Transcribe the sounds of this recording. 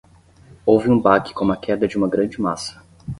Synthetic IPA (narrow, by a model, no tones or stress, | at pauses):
owvɪũbakɪ̥kõm̃ɐkʰɛd̪ɐd͡ʒɪũmɐɡɾɐ̃d͡ʒɪmasɐ̥